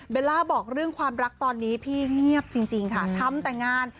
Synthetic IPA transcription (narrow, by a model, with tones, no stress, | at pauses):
weː˧laː˧bɔː˨˩k̚ɾɯ˥˩əŋkʰwaː˧mɾa˦˥k̚t̪ɔː˧nːiː˦˥pʰiː˥˩ŋi˥˩əp̚t͡ɕi˧ŋt͡ɕi˧ŋkʰa˥˩t̪ʰa˧˥mt̪ɛː˨˩ŋaː˧˩n